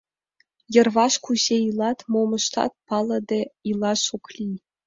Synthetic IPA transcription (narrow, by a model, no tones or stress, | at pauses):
jɤ̆rʋɑʃkuʑeilˠɑt̪momɤ̆ʃt̪ɑ̰t̪̚pɑlˠɤ̆d̪ʲeilˠɑʃoklʲi